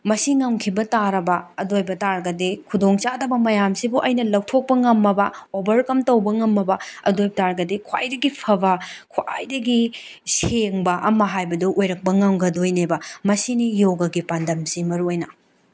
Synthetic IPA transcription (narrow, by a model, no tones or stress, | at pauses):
mɐsiŋɐŋkʰibɐtaɾɐbɐɐdojbɐtaɾɡɐdikʰudoŋt͡ʃadɐbɐmɐjamsibuʔɐjnɐlɐw̚tʰok̚pɐŋɐmːɐbɐobɐɾkɐmtɐwbɐŋɐmːɐbɐɐ̰dojbɐtaɾɡɐdikʰwa̰jdɐɡipʰɐbɐkʰwʔa̰jdɐɡi | seŋbɐʔɐmɐɦajbɐduʔojɾɐk̚pɐŋɐŋɡɐdojnebɐmɐsinijoɡɐɡipandʱɐmsimɐɾuojnɐ